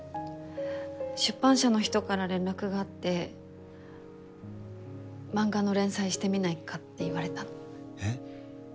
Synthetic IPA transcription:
ɕɨpːãɰ̃ɕano̞çi̥t̪o̞kaɾaɾẽ̞nɾakɯ̟ɡaːt̪ːe̞ | mãŋɡano̞ɾẽ̞ɰ̃saiɕi̥t̪e̞mʲinaikat̪ːe̞iβaɾe̞t̪a

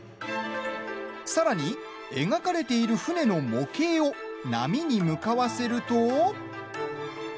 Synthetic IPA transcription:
saɾaɲ̟i | e̞̰ŋakaɾe̞t̪e̞iɾɯ̟ɸɯ̟ne̞no̞mo̞ke̞ːona̰mʲiɲ̟imɯ̟kaβase̞ɾɯ̟t̪o̞

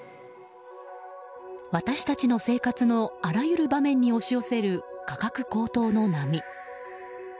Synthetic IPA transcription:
βat̪aɕi̥t̪at͡ɕino̞se̞ːkat͡sɨno̞aɾajɯ̟ɾɯ̟bamẽ̞ɲ̟ːio̞ɕio̞se̞ɾɯ̟kakakɯ̟ko̞ːt̪o̞ːno̞namʲi

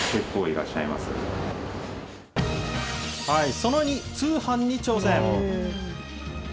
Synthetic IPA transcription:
kekːoːiɾa̰ɕːa̰ima̰sɨ̰ | haisonoɲ̟it͡sɨːhãɲ̟ːit͡ɕo̞ːsẽo

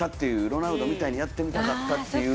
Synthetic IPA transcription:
at̪ːe̞jɯ̟ɾo̞naɯ̟d̪o̞mʲit̪aiɲ̟ijat̪ːe̞mʲit̪akat̪ːat̪ːe̞jɯ

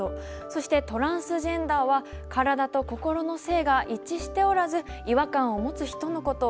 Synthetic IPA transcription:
o | so̞ɕi̥t̪e̞t̪o̞ɾãɰ̃sɨʑẽ̞nd̪aːβa | kaɾad̪at̪o̞ko̞ko̞ɾo̞no̞se̞ːɡaʔit͡ɕiɕi̥t̪e̞o̞ɾazɨiβakãɰ̃o̞mo̞t͡sɨçi̥t̪o̞no̞ko̞t̪o

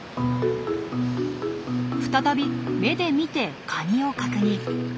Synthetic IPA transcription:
ɸɯ̟̥t̪at̪abʲime̞d̪e̞mʲit̪e̞kʰaɲio̞kakɯ̟ɲ̟i

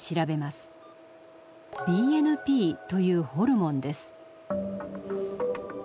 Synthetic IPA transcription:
ɕiɾabe̞masɨ̥ | iːenɯ̟pʲiːt̪o̞jɯ̟ːho̞ɾɯ̟mõ̞nd̪e̞sɨ̥

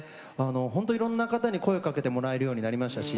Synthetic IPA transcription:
ano̞ɦont̪o̞iɾõ̞nːakat̪aɲ̟iko̞eokake̞t̪e̞mo̞ɾae̞ɾɯjo̞ːɲinaɾʲimaɕi̥t̪aɕi

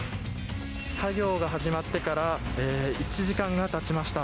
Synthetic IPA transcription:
saɡʲo̞ːɡaɦaʑimat̪ːe̞kaɾaeːit͡ɕiʑikãŋɡat̪at͡ɕimaɕi̥t̪a

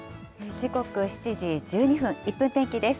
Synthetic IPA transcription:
ed͡ʑiko̞kɯ̟ɕi̥t͡ɕiʑid͡ʑɨːɲ̟iɸɯ̟̃ŋ̃ipːɯ̟̃nt̪ẽ̞ŋkʲid̪e̞sɨ̥

